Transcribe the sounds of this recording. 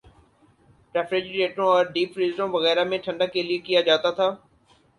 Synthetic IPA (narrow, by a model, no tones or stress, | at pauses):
pɾɛːfɾed͡ʒɾeːʈɾõɔːɾɖiːpɾiːzɾõʋɐɣɛːɾamẽʈʰɐ̃ɳɖakeliekijad͡ʒaːt̪at̪ʰaː